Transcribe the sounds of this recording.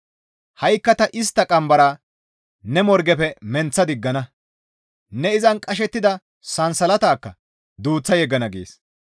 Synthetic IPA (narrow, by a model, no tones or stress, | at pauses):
hɐjkːɐt̪ɐʔɪs̬t̪ːɐkʼɐmbɐɾɐ | nɛmɔɾɡɛpɛmɛnt͡sːɐd̪ɪɡːɐnɐ | nɛɪzɐnkʼɐʃ̬ɛt̪ːɪd̪ɐ | sɐnsɐlɐt̪aːkːɐ̰ | d̪uːt͡sːɐjɛɡːɐnɐɡḛːs